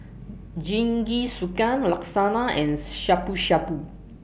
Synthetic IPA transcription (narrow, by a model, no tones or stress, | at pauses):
d͡ʒiŋɡisukanlaksanaʔɛ̃nʃapuʃapu